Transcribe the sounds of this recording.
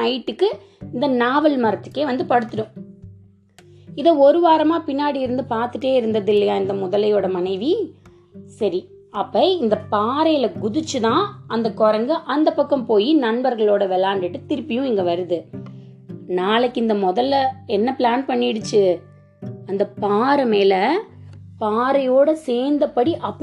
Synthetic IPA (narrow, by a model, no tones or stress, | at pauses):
ɐɪʈːɯkːɯ | ɪnd̪ɐnaːʋɐlmɐɾɐt̪ːɯ̥kːeːʋɐnd̪ɯpɐɽɯt̪ːɯɽʊ̃ | ɪðɐɔɾɯʋaːɾɐmaːpɪnːaːɽiɪɾɯnd̪ɯpaːɾt̪ɯʈːeːɪɾɯnd̪ɐðɪlːɐjaːɪnd̪ɐmʊðɐlɐjoːɽɐmɐnɐɪʋi | sɐɾi | ɐpːɐɪnd̪ɐpaːɾɐjlɐɡʊðɯt͡ʃːɯt̪ãːɐnd̪ɐkɔɾɐŋɡɯʔɐnd̪ɐpːɐkːɐmpoːjinɐnbɐɾɣɐɭoːɽɐʋɛlaːɳɖɪʈːɯt̪ɪɾɯpːɪjʊ̃ɛŋɡɐʋɐɾɯðɯ | naːlɐkːɪnd̪ɐmɔðɐlːɐɛnːɐplaːnpɐɳːɪɽɯt͡ʃːɯ | ɐnd̪ɐpaːɾɐmeːlɐ | paːɾɐjoːɽɐseːɾnd̪ɐpːɐɽiʔɐpː